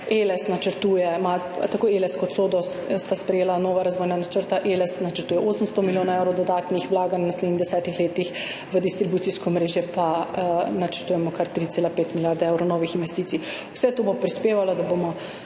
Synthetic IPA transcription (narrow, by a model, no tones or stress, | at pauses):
elɛsnat͡ʃəɾt̪uːjɛmat̪akoelɛskɔt̪soːd̪ɔ | st̪aspɾɛjeːlanɔːʋaɾazʋɔːjnanat͡ʃəɾt̪aʔelɛsnat͡ʃəɾt̪uːjɛʔoːsəmst̪ɔmiljoːnaɛwɾɔwd̪ɔd̪aːt̪nixʋlaːɡanwnasleːd̪nixd̪ɛsɛːt̪ixleːt̪ix | ʋəd̪ist̪ɾibut̪siskɔmɾeːʒjɛpanat͡ʃəɾt̪uːjɛmɔkaɾt̪ɾit̪selapeːt̪miljaɾd̪aewɾɔwnɔːʋixinʋɛst̪iːt̪si | wsɛt̪oːbopɾispeːʋalɔd̪abomɔ